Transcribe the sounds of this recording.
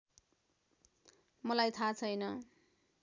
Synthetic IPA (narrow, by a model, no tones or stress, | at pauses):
mʌlajt̪ʰat͡sʰʌjnʌ